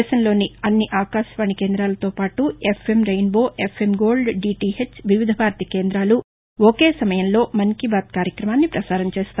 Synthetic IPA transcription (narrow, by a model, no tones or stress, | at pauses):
ʃɐnlo̞ːniɐnːiʔaːkaːʃʋaːɳike̞ːnd̪ɾaːlɐt̪o̞ːpaːʈuepʰemɾɐjnbo̞ːʔepʰe̞mɡo̞ːlɖɖiːʈiɦet͡ʃːʋiʋid̪ʱɐbʱaːɾt̪ike̞ːnd̪ɾaːlu | oke̞ːsɐmɐjɐnlo̞ːmɐŋkibaːt̪̚kaːɾjɐkɾɐmaːnːipɾɐsaːɾɐnt͡ʃeːst̪a